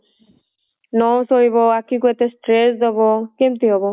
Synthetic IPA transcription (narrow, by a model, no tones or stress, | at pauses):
nɔwsɔɹibɔakĩkuet̪esʈɾesd̪ɔbɔkemt̪iɦɔbɔ